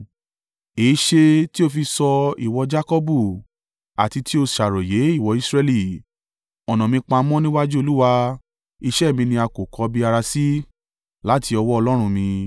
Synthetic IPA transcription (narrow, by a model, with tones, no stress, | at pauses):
eː˨˦ʃe˧ti˦o˧fi˧sɔ˧i˨wɔ˧d͡ʒa˦kɔ˦bu˦˨ | a̰˨ti˧ti˦o˧ʃa˨ɾɔ˨je˨˦i˦˨wɔ˧˦i˦˧sɾɛ˧li˦˨ | ɔ˨nɔ̃˨mĩ˧k͡pã˧mɔ̃˦nĩ˦wa˦d͡ʒu˦o˧lu˦wa˧ | i˧ʃɛ˦˨mĩ˧nĩ˧a˧ko˨kʰɔ˨˧bi˦a˧ɾa˧si˦ | la˦ti˧ɔ˧wɔ˦ɔ˧lɔ˦ɾ̃ũ˧mĩ˧